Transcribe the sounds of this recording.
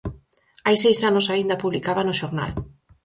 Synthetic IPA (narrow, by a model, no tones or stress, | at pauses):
ajsejsanʊsaind̪ɐpuβlikaβɐnʊʃoɾna̰l